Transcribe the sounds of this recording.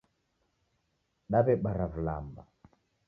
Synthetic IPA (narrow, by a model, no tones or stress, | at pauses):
ɗaβɛɓaɾavula̰mba̰